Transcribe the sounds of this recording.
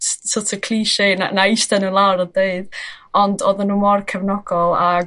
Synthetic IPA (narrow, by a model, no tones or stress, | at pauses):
ssɔtʰəkʰl̥iːʃena̰naɪstɛnulˠawɾədeɨd̥ɔndɔðənːuːmɔrkʰɛvnɔɡ̥ɔlˠa